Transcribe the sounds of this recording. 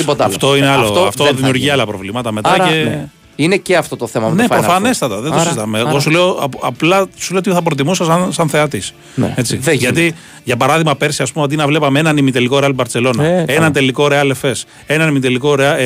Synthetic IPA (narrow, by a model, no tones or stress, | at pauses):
ipotɐft̪o̞ineɐloɐft̪oðimiuɾʝiɐlɐpɾovlimɐt̪ɐme̞t̪ɐɐe | ineceɐft̪ot̪oθemɐne̞pɾofɐnest̪ɐt̪ɐðeosizst̪ɐmeːɣosuleopɐplɐsuleot̪ioθɐpɾot̪̬imusɐsɐnsɐnθe̞ɐt̪is | e̞t͡siʝɐt̪i | ʝɐpɐɾɐðiɣmɐpe̞ɾsiɐspumeot̪̬inɐvle̞pɐmeenɐnimit̪elikoɾeɐlbɐɾt͡se̞lo̞nɐenɐnt̪e̞liko̞ɾeɐle̞fe̞s | e̞nɐnimit̪eliko̞ɾeɐ